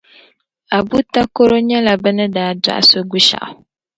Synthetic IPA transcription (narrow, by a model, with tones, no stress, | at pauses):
a˨bu˦ta˦ko˦ɾo˦ɲɛ˦la˨bɨ˦nɨ˦daː˨˦da̰˦ʔa̰˨so˦ɡu˦ʃa̰˨ʔa˨